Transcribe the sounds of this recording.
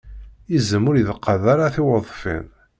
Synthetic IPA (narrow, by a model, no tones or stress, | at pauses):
izəmːʊɾjiðəqʰːəðaɾaθɪwəðˤfḭn